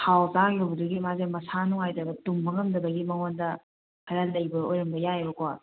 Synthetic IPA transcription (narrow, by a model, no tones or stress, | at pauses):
tʰawzaŋobuduɡimazemɐsanuŋajdɐbɐtuŋːɐŋɐmdɐbɐɡimɐŋondɐ | kʰɐɾɐlːɐjbɐojɾɐmbɐjaebɐko